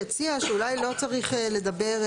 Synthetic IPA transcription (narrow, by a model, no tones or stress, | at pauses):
et͡siaʃeulajlo̞t͡saʁiχle̞d̪ɐbe̞ʁ